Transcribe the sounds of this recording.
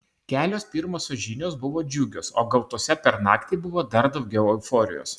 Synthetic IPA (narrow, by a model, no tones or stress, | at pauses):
kʲæːlʲoːspʲiːɾmoːsʲoʒʲɪnʲoːsbʊʋoːd͡ʒʲuɡʲoːso̰ːɡɐlˠt̪uɔsʲɛpʲɛɾnɑ̰ːkt̪ʲibʊʋoːd̪ɐɾd̪ɐʊɡʲɛʊɛʊfoːɾʲɪ̰jo̰ːs